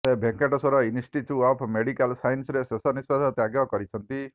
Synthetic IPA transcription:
sebʱeŋkeʈɔsɔɾɔinisʈit͡ʃʰuɔpʰmeɽikalsajnsɔɾesesɔnispad̪ʱɔt̪jaɡjɔkɔɾit͡ʃʰɔnt̪i

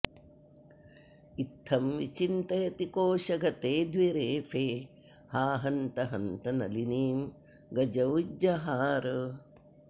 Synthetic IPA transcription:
it̪ʰːɐmʋit͡ʃint̪ɐjɐt̪ikoːʃɐɡɐt̪eːd̪ʋiɾeːfʰeː | haːɦɐnt̪ɐɦɐnt̪ɐnɐ̰liniːm | ɡɐd͡ʒɐwd͡ʒɐɦaːɾ

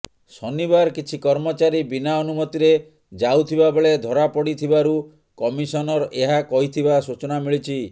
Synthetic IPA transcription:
sɔnibaɾkit͡ʃʰikɔɾmɔt͡ʃaɾibinaɔnumɔt̪iɾe | d͡ʒawt̪ʰibabeɭed̪ʱɔɾapɔɽit̪ʰibaɾu | kɔmisɔnɔɾʔeɦakɔɦit̪ʰibasut͡ʃɔnamiɭit͡ʃʰi

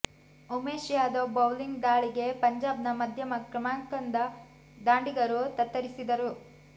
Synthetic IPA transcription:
umeːʃjaːd̪obɐwliŋɡd̪aːɭiɡe̞pɐɲd͡ʒaːb̚nɐmɐd̪ʱjɐmɐkɾɐmaːŋkɐnd̪ɐ | d̪aːɳɖiɡɐɾut̪ɐt̪ːɐɾisid̪ɐɾu

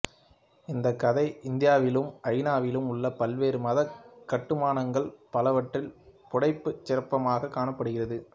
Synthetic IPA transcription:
ɪnd̪ɐkːɐðɐɪʔɪnd̪ɪjaːʋɪlɯmʔɐɻnaːʋɪlɯmʊɭːɐpɐlʋeːɾɯmɐðɐkːɐʈːɯmaːnɐŋɡɐɭpɐlɐʋɐʈrɪlpɔɽɐɪpːɯt͡ʃːɪɾɐpːɐmaːɣɐkːaːɳɐpːɐɽɯɣɪrɐðɯ

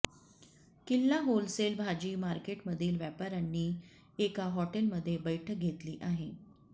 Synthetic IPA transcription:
kilːaɦolselbʱad͡ʑiːmaɾkeʈməd̪ʱiːlʋjapaɾanːiː | ekaɦɔʈelməd̪ʱːjebəjʈʰək̚ɡʱet̪liːʔaɦe

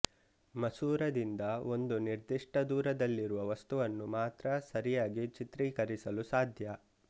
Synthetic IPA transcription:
mɐsuːɾɐd̪ind̪ɐo̞nd̪uniɾd̪iʂʈʰɐd̪uːɾɐd̪ɐlːiɾuʋɐʋɐst̪uʋɐnːumaːt̪ɾɐsɐɾijaːɡit͡ʃit̪ɾiːkɐɾisɐlusaːd̪ʱjɐ

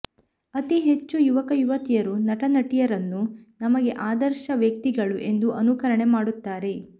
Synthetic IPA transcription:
ɐt̪iɦe̞t͡ʃːujuʋɐkɐjuʋɐt̪ijɐɾunɐʈɐnɐʈijɐɾɐnːunɐmɐɡe̞ʔaːd̪ɐɾʃɐʋjɐkt̪iɡɐɭuʔe̞nd̪uʔɐnukɐɾɐɳe̞maːɽut̪ːaːɾe̞

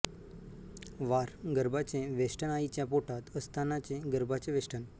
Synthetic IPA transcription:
ʋaɾɡəɾbat͡ɕẽʋeʂʈənait͡ɕjapoʈat̪əst̪ʰanat͡ɕẽɡəɾbat͡sẽʋeʂʈən

